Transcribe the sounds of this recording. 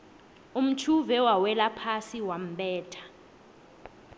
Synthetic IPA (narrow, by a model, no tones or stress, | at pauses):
um̩t͡ʃʰuvɛwawɛlapʰasiwam̩ɓɛːtʰḁ